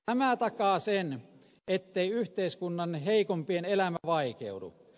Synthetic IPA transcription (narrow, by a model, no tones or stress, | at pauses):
æmæt̪ɑkɑːsen | et̪ːeiyht̪eiskunːɑnheikompienelæmæʋɑikḛudṵ